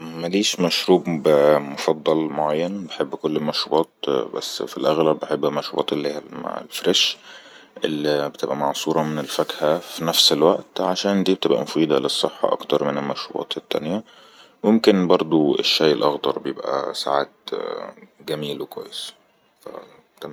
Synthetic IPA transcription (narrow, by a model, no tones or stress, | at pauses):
mæliːʃmæʃɾuːbbmofɑd̪ˤːɑlmoʕajːænbeħebːkolːemæʃɾubɑːt̪̚bæ̰sːfilʔæɣlæbbeħebːæmæʃɾubɑ̰ːt̪elːiːhælma̰ʕ̰lfɾeʃ | ʔelːibet̪ebʔæmɑʕsˤuːɾˤɑmenelfækhæfinæfselwæʔt̪ʕaʃæːnd̪iːbet̪ebʔæ̰mofiːd̪ælesˤːeħːɑ̰ʔɑ̰kt̪ɑɾˤmenelmæʃɾṵbɑ̰ːt̪et̪ːæ̰njæ | momkenbɑɾˤd̪ˤuḛʃːæjʔelʔɑxd̪ɑɾˤbejebʔæ̰sa̰ʕa̰ːd̪ | ɡæmiːlwekwæ̰jːes | fæ̰ | t̪æ